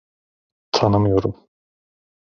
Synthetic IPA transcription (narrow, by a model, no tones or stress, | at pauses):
t̪ʰanɯmɯjoɾum